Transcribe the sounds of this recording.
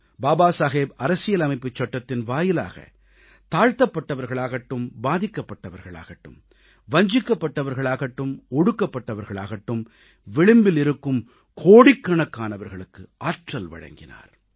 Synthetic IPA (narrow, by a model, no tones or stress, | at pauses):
baːbaːsaːɣeːbɐɾɐsɪjɐlɐmɐɪpːɯt͡ʃːɐʈːɐt̪ːɪnʋaːjɪla̰ːɣɐ̰ | t̪aːɻt̪ɐpːɐʈːɐʋɐɾɣɐɭaːɣɐʈːɯmbaːðɪkːɐpːɐʈːɐʋɐɾɣɐɭa̰ːɣɐʈːɯ̰m | ʋɐɲd͡ʒɪkːɐpːɐʈːɐʋɐɾɣɐɭaːɣɐʈːɯmɔɽɯkːɐpːɐʈːɐʋɐɾɣɐɭa̰ːɣɐʈːɯm | ʋɪɭɪmbɪlɪɾɯkːɯm | kʰoːɽɪkːɐɳɐkːaːnɐʋɐɾɣɐɭɯkːɯʔaːʈrɐlʋɐ̰ɻɐ̰ŋɡɪna̰ːɾ